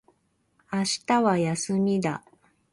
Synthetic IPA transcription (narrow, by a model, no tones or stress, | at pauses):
aɕi̥t̪aβajasɨmʲid̪a